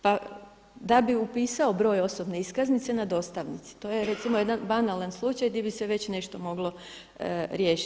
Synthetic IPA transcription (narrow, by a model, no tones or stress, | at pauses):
pa | d̪abiupiːsao̞bɾo̞ːjo̞so̞bne̞iskaznit̪se̞nad̪o̞st̪aʋnit̪si̥t̪o̞ːjeɾe̞t̪simoje̞d̪anbanalanslˠut͡ʃajd̪ibiseʋe̞t͡ɕne̞ʃt̪o̞mo̞ɡlˠo̞ | ɾje̞ːʃi